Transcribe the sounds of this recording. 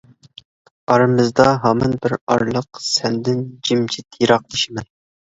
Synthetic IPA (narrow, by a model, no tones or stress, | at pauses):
ɑɾɨmɨzd̪ɑɦɑmɑnbɪɾɑ̰ɾlˠəqsɛnd̪ɪnd͡ʒimt͡ʃʰɪt̪ʰjiɾɑq̚d̪ɪʃimɛn